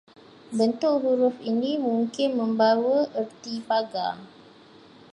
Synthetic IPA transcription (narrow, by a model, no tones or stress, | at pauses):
bənt̪ʊʔɦuɾʊfinĩmuŋkɪnmə̃mbawəʔərt̪ipaɡa̰